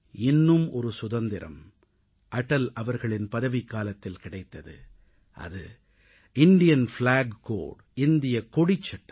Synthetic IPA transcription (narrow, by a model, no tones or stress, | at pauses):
ɪnːɯmɔɾɯsʊðɐnd̪ɪɾɐ̰m | ʔɐʈːɐlɐʋɐɾɣɐɭɪnpɐðɐʋɪkːaːlɐt̪ːɪlkɪɽɐɪt̪ːɐðɯ̰ | ʔɐ̰ðɯ | ɪnd̪ɪjɐnflaːɡko̰ːɖɪnd̪ɪjɐkɔɽɪt͡ʃːɐʈːɐ